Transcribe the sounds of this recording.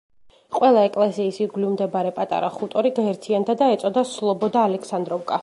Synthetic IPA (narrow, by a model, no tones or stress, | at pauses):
qʼwɛlˠaɛkʼlɛsiːsiɡlimd̪ɛbaɾɛpʼat̪ʼa̰ɾaχut̪ʼɔɾiɡaɛɾt̪ʰiand̪ad̪aɛt̪sʼɔd̪aslˠɔbɔd̪aːlɛkʰsand̪ɾɔbkʼa